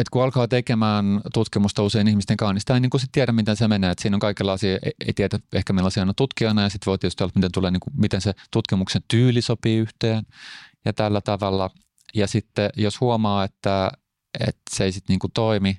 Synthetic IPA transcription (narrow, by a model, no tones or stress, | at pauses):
et̪kuɑlkɑːt̪ekemæːnt̪ut̪kimust̪ɑuseinihmist̪eŋkɑˑunist̪ːæiniːŋkusit̪t̪iæɾæmmit̪ensemeneːet̪siːnoŋkɑikelːɑisiḛḛit̪iædæehkæmilɑsiɑnɑt̪ut̪kioinɑjɑsit̪ʋoit̪iːst̪olɑt̪mit̪ent̪uleːniːŋkumit̪enset̪ut̪kimuksent̪yːlisopiːyht̪eːnjɑt̪ælːæt̪ɑʋɑlːɑ | jɑsit̪ːejoshuomɑːet̪ːæ | ḛt̪seisit̪niːŋkut̪oimi